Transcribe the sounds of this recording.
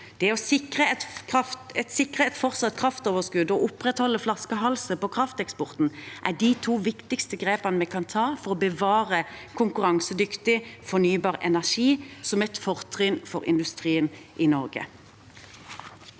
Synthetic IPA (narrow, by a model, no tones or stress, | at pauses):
d̪̥ɛɔsɪkʁəɛt̪kʁɑft̪ɛt̪sɪkʁəɛt̪fɔʁsɑt̪kʰʁɑft̪oːʋəskʉd̪ɔʔʊpʁɛt̪hɔlːəflɑskəɦɑlsəpɔkʰʁɑft̪ɛkspɔʁt̪n̩ʔæd̪it̪ʰuːʋɪkt̪ɪkst̪əɡʁeːpɑnəmɛkʰɑnt̪ʰɑːfɔʁɔbəʋɑːʁəkʰʊŋkʉʁɑŋsəd̪ʏkt̪ɪfɔnyːbɑːʁɛ̰næʁʂiːsɔmɛt̪fɔʁt̪ʰʁʏːnfɔʁɪ̰nd̪ʉst̪ʁiːənʔɪnɔʁɡə̰